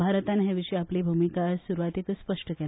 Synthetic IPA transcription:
bʱaɾət̪anɦeʋiʂiapliːbʱumikasuɾuʋat̪it̪spəʂʈəkɛl

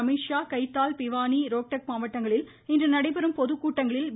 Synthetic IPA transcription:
ɐmiːʂaːkɐɪt̪ːaːlpɪʋaːniɾoːk̚ʈɐk̚maːʋɐʈːɐŋɡɐɭɪl | ɪndrɐnɐɽɐɪpɐɾɯmpɔðɯkːuːʈːɐŋɡɐɭɪlʋ

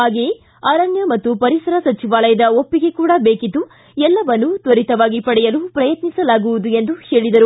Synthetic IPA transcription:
aːɡeː | ɐːɾɐnjɐmɐt̪ːupɐɾisɐɾɐsɐt͡ʃiʋaːlɐjɐd̪ɐopːiɡe̞kuːɽɐbeːkid̪ːu | ɛlːɐʋɐnːut̪ʋɐɾit̪ɐʋaːɡipɐɽɛjɐlupɾɐjɐt̪nisɐlaːɡuʋud̪ue̞nd̪uheːɭid̪ɐɾu

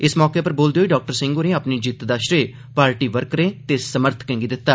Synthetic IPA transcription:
ɪsmɔːkeːpəɾboːld̪eoːiːɖaːk̚ʈəɾsɪ̃ŋɡonẽːaːpniːd͡ʒit̪d̪aːʃɾeː | paːɾʈiːʋəɾkɾẽːt̪eːsəməɾt̪ʰkɛ̃ːŋɡiːd̪ɪt̪ːaː

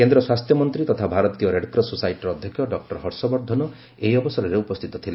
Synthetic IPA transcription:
kend̪ɾɔswast̪ʰjɔmɔnt̪ɾit̪ɔt̪ʰabʱaɾɔt̪ijɔɾeɖkɾɔsusajʈɾɔd̪ʱjɔkʰjɔɖɔk̚ʈɔɾɦɔɾsɔbɔɾd̪ʱɔnɔ | eiɔbɔsɔɾɔɾeupɔst̪ʰit̪ɔt̪ʰile

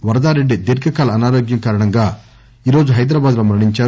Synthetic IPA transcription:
ʋɐɾɐd̪aːɾeɖːid̪eɾkɐkaːlɐːnaːɾoːɡjɐmkaːɾɐɳɐŋɡaː | iːɾo̞ːd͡ʒuɦɐjd̪ɾɐbaːd̪lomɐɾɳiɲt͡ʃaː

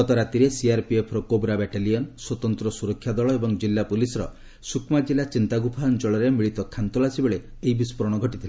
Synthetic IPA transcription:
ɡɔt̪ɔɾat̪iɾesiaɾpiepʰɾɔkobɾabɛʈalijɔnswɔt̪ɔnt̪ɾɔsuɾɔkʰːjad̪ɔɭɔebɔŋd͡ʒilːapulisɔɾɔ | sukʰmad͡ʒilat͡ʃint̪aɡupʰaɔnt͡ʃɔɭɔɾemiɭit̪ɔkʰant̪ɔlasibeɭe | eibispɔɾɔɽ̃ɔɡʱɔʈit̪ʰile

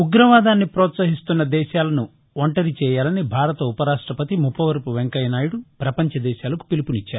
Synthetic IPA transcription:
uɡɾɐʋaːd̪aːnːipɾɔːt̪sɐɦist̪unːɐd̪ɛːʃaːlɐnu | ɔɳʈɐɾit͡ʃɛːjaːlɐnibʱaːɾɐt̪ɐupɐɾaːʂʈɾɐpɐt̪imupːɐʋɐɾpuʋeŋkɐjɐnaːjuɽupɾɐpɐɲt͡ʃɐd̪ɛːʃaːlɐku̥pilipunit͡ʃːaːɾu

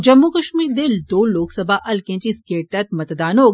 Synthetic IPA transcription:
d͡ʒɐmːukɐʃmiːɾd̪ɪld̪oːlːoːksɐbʱaʔɐlkẽːt͡ʃiskeːʈɐt̪mɐt̪d̪aːnoɡ

